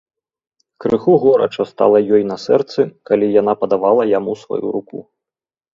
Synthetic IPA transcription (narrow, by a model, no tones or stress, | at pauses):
kɾɨxuɣɔɾɐ̰t͡ʂɐst̪a̰lˠɐjɔjnɐsɛrt̪sɨkalʲijan̪apɐd̪avalˠɐjamusva̰jṵɾukṵ